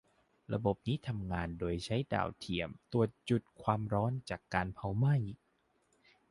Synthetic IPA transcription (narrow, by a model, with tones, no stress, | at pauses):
ɾa̰˧bo˨˩p̚niː˦˥t̪ʰa˧mŋaː˧ndoː˧jt͡ɕʰa˦˥jda̰ː˨˩wt̪ʰi˨˩əmt̪u˨˧˩ət̪̚t͡ɕu˨˩t̪̚kʰwaː˧mɾɔː˦˥nt͡ɕaː˨˩kːaː˧npʰa˧wma˥˩j